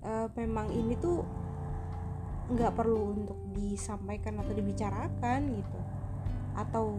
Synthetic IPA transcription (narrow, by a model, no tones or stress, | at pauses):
ʔəːmemaŋinit̪u | əŋɡaʔpərluːnt̪ʊk̚disampajkanat̪awdibit͡ʃaɾakanɡit̪u | ʔat̪aw